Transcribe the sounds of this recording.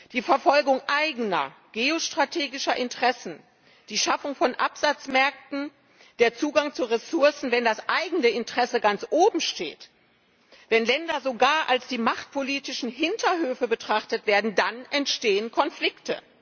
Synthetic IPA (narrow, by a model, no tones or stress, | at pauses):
d̥iːfɛɐfɔlɡʊŋʔaɪɡənɐ̰ | ɡ̥eːoʃtʁ̥atʰeːɡɪʃɐʔɪntəʁɛsn̩ | d̥iːʃafʊŋfɔnʔapz̥at͡smɛɐk̚tn̩ | d̥eːɐt͡suːɡaŋt͡suʁesʊɐsn̩vɛndasʔaɪɡŋ̩əɪntəʁ̥ɛsəɡant͡sʔoːbm̩ʃtḛːt | vɛnlɛndɐzoɡaːɐʔalsd̥iːmaχt̚pʰoliːtɪʃn̩ɦɪntʰɐhøːfəbətʁ̥aχtətv̥eːɐdn̩danʔɛntʃteːənkʰɔnflɪktʰə̰